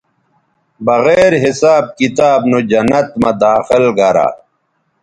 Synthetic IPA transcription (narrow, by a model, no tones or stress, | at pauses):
bɐɣeːɾɦisaːb̚kit̪aːbnod͡ʑɐnɐt̪mɐd̪aːxilɡɐɾa̰